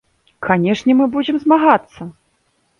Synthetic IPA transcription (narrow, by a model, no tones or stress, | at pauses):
kʰanʲɛʂnʲɛmɨbud͡zʲɪmzmaɣat̪sːɐ